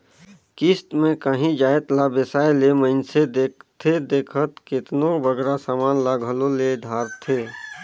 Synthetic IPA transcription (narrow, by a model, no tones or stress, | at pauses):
kist̪mẽkəɦĩd͡ʒaːet̪labesaːeleməɪnsed̪eːk̚t̪ʰed̪eːkʰət̪kɪt̪nobəɡɾasaːmaːnlaɡʱəloled̪ʱaːɾt̪ʰeː